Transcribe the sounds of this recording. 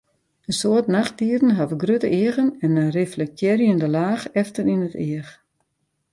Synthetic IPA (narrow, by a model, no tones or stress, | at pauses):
ənsoətnaxt̚diərn̩ɦavəɡrøtəʔɪəɣənɛnəreflɛk̚tʰjɛɾjəndəlaːxɛftəɾinətɪəx